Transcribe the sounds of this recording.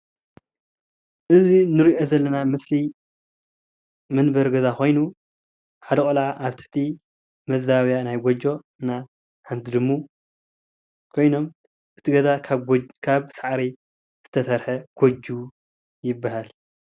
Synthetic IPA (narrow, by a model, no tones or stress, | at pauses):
ʔɨzinɨɾiʔo̞zɐlːɐnamɨsli | mɨnbɐɾɡɐzakʰo̞jnu | ħad̪ɐkʼolaʔaβt̪ʰɨ̥ħt̪ʰi | mɐzaβjanajɡʷod͡ʒo̞ɨnːa | ħant̪ʰɨd̪ɨmːu | kʰo̞jno̞m | ʔɨt̪ʰiɡɐzakʰkʰaβsaʕɾi | z̥ɨt̪ʰɐsɐɾħɐɡ̥od͡ʒu | jɪbːahal